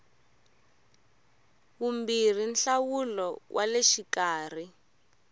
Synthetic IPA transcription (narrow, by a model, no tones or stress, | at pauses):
kumbir̤inɬawulɔwʔaleʃikaːr̤i